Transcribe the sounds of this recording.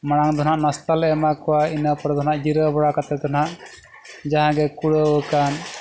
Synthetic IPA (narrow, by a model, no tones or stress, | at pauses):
maɽ̃aŋd̪ɔnaʔnast̪alɛɛmakɔwainəpɔɾd̪ɔnaʔd͡ʒiɾəbɔɽakat̪ɛt̪anaʔ | d͡ʒaɦãɡɛkuɽəwəkan